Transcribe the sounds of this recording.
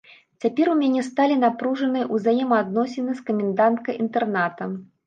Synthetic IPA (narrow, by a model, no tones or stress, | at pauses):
t͡sʲapʲɛɾumʲanʲɛst̪alʲinapɾuʐɐnɨjʔuzajɛmɐad̪nɔsʲɪnɨskɐmʲɛnd̪ant̪̚kɐjʔint̪ɛrnat̪ɐ